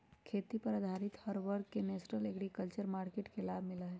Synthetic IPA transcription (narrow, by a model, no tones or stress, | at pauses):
kʰeːt̪ipɐɾɐd̪ʱaːɾɪt̪hɐɾʋɐɾkkːeneːsʈəleːɡɽikəlt͡ʃəɾmaːɾkeːʈkelaːbʱmɪlaɦɛː